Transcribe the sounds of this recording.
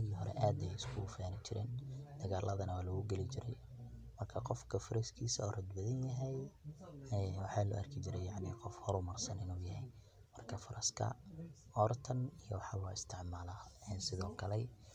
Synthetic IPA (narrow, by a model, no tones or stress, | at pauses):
nɐɣiːɦɔɾɛ̰ʔaːd̪ɛjɪskʰʊʊfaːnɪt͡ʃɪɾɛ̰ːnd̪̥ɐɣaːlʔɐðɐnɐwaːlʊɣʊɡɛlɪt͡ʃɪɾɛ̰j | mɐrkʰɐqɔfkʰɐfʊɾɛskʰiːsɐɔːrɐd̪bɐðɐnjɐɦɛj | ɛwɑħɑːlʊ̰ɐ̰rkʰɪt͡ʃɪɾɛjɑʕniːqɔfhɔɾʊmɐrsɐnɪnuːjɐɦj | mɐrkʰɐfɐɾɐskʰɐ̰ | ɔrt̪ʰɐnijɔwɑħɑlɔːɪst̪ʰɪʕmaːlaɛnsɪðɔːkʰɐlɛ